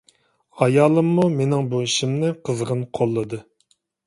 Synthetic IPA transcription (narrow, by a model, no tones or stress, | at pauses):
ɑjɑːlˠɨmːumenɪŋbuiʃimnɪqʰəzʁənqʰolˠːɨd̪ɨ